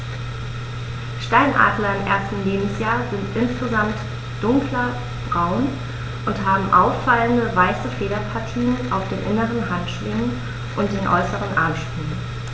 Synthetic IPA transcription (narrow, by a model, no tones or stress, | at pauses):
ʃtaɪnʔa̰ːdlɐɪmʔḛɐstn̩leːbm̩sjaːzɪntʔɪnsɡ̥əzamt | d̥ʊŋklɐ | b̥ʁaʊn | ʔʊntɦaːbm̩ʔaʊfːaləndəvaɪsəfeːɾɐpʰaɐtʰiːənʔa̰ʊfd̥eːnʔɪnəʁənɦantʃv̥ɪŋən | ʔʊnt̚d̥eːnʔɔ̰ʏsəʁənʔa̰ɐmʃpyːlən